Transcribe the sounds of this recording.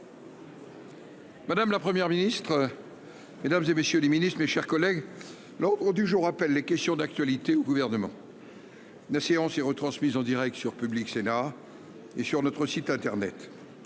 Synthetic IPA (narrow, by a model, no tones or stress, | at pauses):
mad̪amlapχəmjɛʁminist̪χə | med̪amzemesjøleminist̪meʃɛʁkɔlɛɡ | lɑ̃d̪ʁəd̪yʒuʁapɛlːekʲɛst̪jɔ̃d̪ak̚t̪ɥalit̪eoɡuvɛʁnəmɑ̃ | ynaseɑ̃sɛʁət̪χɑ̃smizɑ̃d̪iʁɛk̚t̪syʁpybliksena | esyʁnɔt̪χəsit̪ɛ̃t̪ɛʁnɛ̰t̪